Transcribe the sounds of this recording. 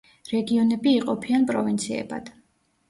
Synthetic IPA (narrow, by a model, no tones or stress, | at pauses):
ɾɛɡiɔnɛbiːqʼɔpʰianpʼɾɔvint̪sʰiɛ̰ba̰d̪̥